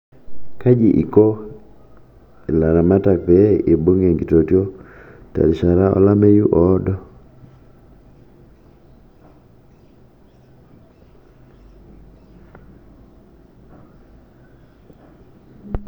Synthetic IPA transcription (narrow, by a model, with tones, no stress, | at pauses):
ka˦d͡ʒi˨ʔi˨ko˦ | e˨la˨ɾa˨ma˦ta˨kpɛ˨˦e˨bo˦ŋe˨ŋɡi˨to˨tjo˦ta̰˨lʃa˨ɾa˦ɔ̰˦la˦me˦ju˦ʔɔ˦dɔ˦